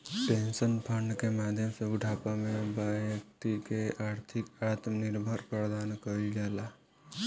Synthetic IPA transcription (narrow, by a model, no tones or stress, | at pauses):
ʈensənpʰəɳɖkemad̪ʱjəmsẽuʈʰapamebajək̚t̪ikeʔaɾt̪ʰikat̪mniɾbʱəɾpɾəd̪ankəɾiɡela